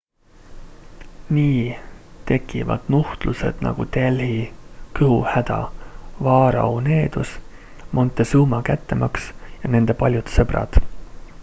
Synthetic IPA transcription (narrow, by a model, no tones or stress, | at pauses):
niːt̪e̞kːˑivɑ̰d̪̥nuht̪luse̞̰d̪̥nʔɑ̰ɡ̥ut̪e̞lhikɨhuhæd̪̥ɑ̰vɑːɾɑ̰une̞ːd̪̥us | mo̞nt̪ːˑe̞suːmɑkæt̪ːe̞mɑksjɑne̞nd̪̥e̞pɑlʲjut̪sɤb̥ɾɑ̰d̪̥